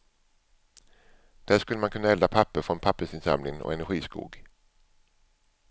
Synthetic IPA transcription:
d̪̥æːʂkɵlːəmankʰɵnːaɛld̪apʰapːəɾfɾɔnpʰapːəʂɪnsa̰mlɪŋɔ̰ɛnæɾɧiːskṵːɡ

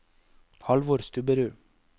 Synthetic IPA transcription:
hɑlʋoːɾst̪ʰʉbəɾʉː

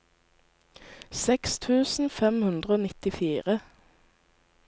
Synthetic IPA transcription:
sɛkst̪ʰʉːsn̩fɛmhʉnd̪ʁəoːnɪt̪ɪfiːʁə

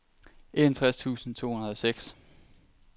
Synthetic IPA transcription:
e̝dænt͡sʰʁast͡sʰṵːsn̩t͡sʰo̝̰ːhunɐð̞ˠɒ̽seɡ̥s

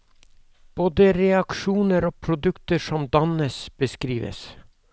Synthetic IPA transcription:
b̥oːd̪əɾɛɑkʃuːnəɾoːpʰɾʊd̪ʉkt̪əʃɔmd̪ɑnəsb̥əskɾiːʋə̰s

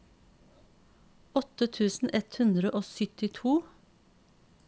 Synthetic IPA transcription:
ɔt̪ət̪ʰʉːsn̩ʔɛt̪hʉnd̪ɾəʔoːsʏt̪ɪt̪ʰuː

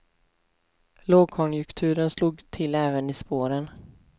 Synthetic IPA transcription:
loːɡ̚kʰɔnjɵkt̪ʰʉ̟ːɾənsluːɡt̪ʰɪlɛːvənɪspoːɾən

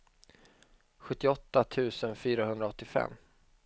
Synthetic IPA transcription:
ɧɵt̪ːɪɔt̪ːat̪ʰʉ̟ːsənfyːɾaɦɵnd̪ɾaɔt̪ːɪfɛ̰mː

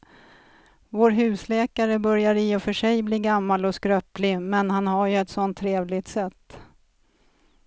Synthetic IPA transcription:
voːɾɦʉ̟ːslɛːkaɾəbœɾjaɾɪɔfœʂɛjbliːɡamːalɔskɾœːplɪmɛnɦanɦaɾjɵɛt̪sɔnt̪ʰːɾeːvlɪt̪sɛt̪ː

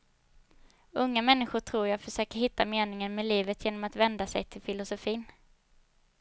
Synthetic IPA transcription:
ɵŋːamɛnːɪɧʊʈʰɾuːɾjaːfœʂøːkəɾɦɪt̪ːameːnɪŋənmeːliːvət̪ʰjeːnɔmat̪vɛnd̪asɛjt̪ʰɪlfɪlʊsʊfiːn

